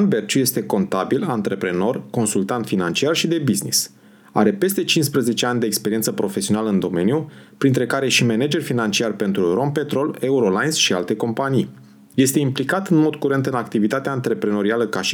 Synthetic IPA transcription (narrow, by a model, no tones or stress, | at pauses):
anbe̞rt͡ʃuje̞st̪e̞ko̞nt̪abilant̪ɾe̞pɾe̞no̞rko̞nsult̪ant̪finant͡ʃiarʃid̪e̞biznḭs | a̰ɾe̞pe̞st̪e̞t͡ʃinspɾəze̞t͡ʃe̞anʲd̪eːkspe̞ɾient̪səpɾo̞fe̞sio̞naləɨnd̪o̞me̞nijupɾint̪ɾe̞kaɾe̞ʃime̞ned͡ʒe̞rfinant͡ʃiarpe̞nt̪ɾuro̞mpe̞t̪ɾo̞le̞uɾo̞lajnsʃialt̪e̞ko̞mpanij | je̞st̪e̞implikat̪ɨnmo̞d̪kuɾe̞nt̪ɨnakt̪ivit̪at̪eaːnt̪ɾe̞pɾe̞no̞ɾialəkaʃi̥